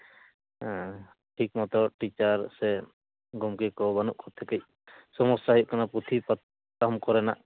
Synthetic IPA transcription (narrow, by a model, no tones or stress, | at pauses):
ɦɛ̃ | ʈʰik̚mɔt̪ɔʈit͡ʃaɾsɛ | ɡɔmkɛkɔbanuʔkʰɔt̪ʰɛkɛc̚ | sɔmɔsːaɦɔjʔ̚kanapɾut̪ʰip̪ | kamkɔɾɛna̰ʔ